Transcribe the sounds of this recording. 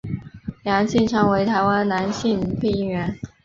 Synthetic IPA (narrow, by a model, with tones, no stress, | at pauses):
ljɑ˧˥ŋɕi˥˩nʈ͡ʂʰɤ˧˥ŋwe˧˥ɪt̪ʰa˧˥ɪwa˥nna˧˥nɕi˥˧ŋpʰe˥˧ɪi˥˩nɥɛ˧˥n